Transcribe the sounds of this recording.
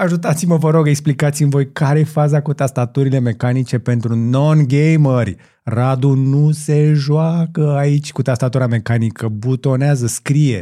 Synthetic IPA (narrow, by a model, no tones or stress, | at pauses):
aʒut̪at̪siməvəɾo̞ɡe̞ksplikat̪simvo̞jkaɾeefazakut̪ast̪at̪uɾile̞me̞kanit͡ʃe̞pe̞nt̪ɾuno̞nɡejmərʲ | rad̪unuse̞ʒwakəait͡ʃʲkut̪ast̪at̪uɾame̞kanikəbut̪o̞neazəskɾije̞̰